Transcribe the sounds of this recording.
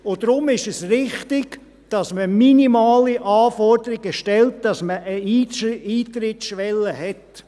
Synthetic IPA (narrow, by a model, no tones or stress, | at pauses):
ʊd̥ɾʊmɪʃɛsrɪχtɪɡ | d̥ɑsməminimɑːliʔɑːfɔɾdəɾɪɡəʃtɛlt̚d̥ɑsməəiːiːt̪ɾɪtʃʋɛlːəhɛt